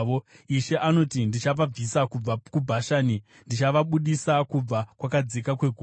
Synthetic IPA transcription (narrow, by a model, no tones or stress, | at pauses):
oiʃe̞ʔano̞tindit͡ʃaʋab͡visakub͡vakubʱaʃaːni | ndit͡ʃaʋaɓuɗisakub͡vakwakad͡zekakwe̞ɡʱ